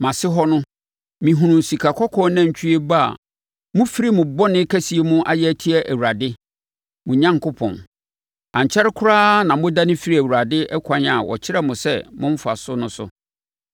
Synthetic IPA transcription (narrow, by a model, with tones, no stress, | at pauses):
mã˨sɪ˦ɦɔ˦nʊ̃˦ | mĩ˨ɦũ˨nũ˨n˨si˨kʰa˨kʰɔ˦kʰɔ̃˦nã˦˨ɲ˨t͡ɕʰᶣi˦e˦ba˦a̰˨ | mʊ̃˦fi˦ɾi˦mʊ̃˨bɔ˦nɪ̃˦kʰæ˦si˨e˦mũ˦ʔa̰˨jɛ˦tʰi˦ɛ˦ʔæ˨wu˨ɾa˨dɪ˦ | mʊ̃˨ɲã˦ŋkʰʊ˦pʰɔ̰̃˨n | ã˨ɲ˨t͡ɕʰɛ˦ɾɪ˦kʰʊ˦ɾaː˦nã˨mʊ̃˦da˦nɪ̃˦fi˦ɾi˦æ˨wu˨ɾa˨dɪ˦ʔɛ˦kʷʰã˨˦ɲa˨wɔ̰˨t͡ɕʰɪ˦ɾɛ˦mʊ̃˨sɛ̰˦mʊ̃˦m̩˦fa̰˨sʊ˦nʊ̃˦sʊ̰˨